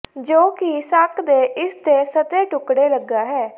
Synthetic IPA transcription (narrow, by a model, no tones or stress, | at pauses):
d͡ʒoːkisakd̪eːʔɪsd̪eːsət̪eːʈʊkɽeːləɡːaːɦɛː